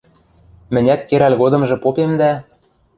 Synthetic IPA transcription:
mɘ̆nʲæt̪̚keɾælʲɣod̪ɤ̆mʒɤ̆popemd̪æ

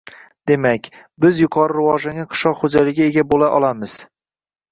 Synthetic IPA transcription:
d̪̥e̞makʲ | bɪzjʊqʰɒɾɨɾɪwɒʒaŋʲaqʰɨ̥ʃɒqχod͡ʒalɪɡʲaeɡʲabolaʔɒ̰lˠamɪz̥

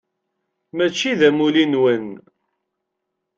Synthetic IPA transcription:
mæt͡ʃːiðæmulinwən

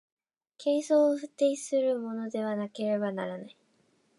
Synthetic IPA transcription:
kʰe̞ːso̞ːɸɯ̟t̪ːe̞isɨɾɯ̟mo̞no̞d̪e̞β̞anake̞ɾe̞banaɾanai

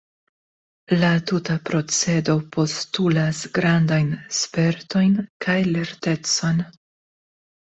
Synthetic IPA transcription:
latutapɾo̞t͡se̞do̞po̞stulasɡɾandajnspe̞ɾto̞jnkʰajle̞ɾte̞t͡so̞n

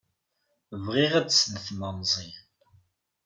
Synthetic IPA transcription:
vʁiʁæt͡ssnəθmənzˤin

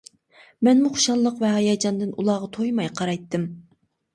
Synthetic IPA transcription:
mɛnmuχʊʃɑlˠːəqvɛɦɑjɑd͡ʒɑnd̪ɨnʔulˠɑʁɑt̪ʰojmɑjqʰɑɾɑjt̪ːɨm

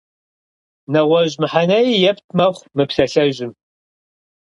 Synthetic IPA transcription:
nɐʁʷɐʑmɨħanɐjjɛptʰmɐχʷmɨpsɐɬɐʒɪm

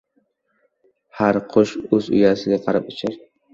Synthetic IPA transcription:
haɾqʰʊʃɵzʊ̰jasɪɡʲaqʰɑɾɪpɪt͡ʃʰɪɾ

